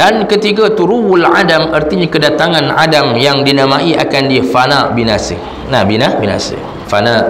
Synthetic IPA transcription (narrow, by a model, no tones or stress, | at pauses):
dankət̪iɡat̪uɾuwuladamərt̪iɲakədat̪aŋãna̰damjaŋdinãmaʔia̰kandifanaʔbinasɪ̰ | nabinabinã̰sə̰ | fana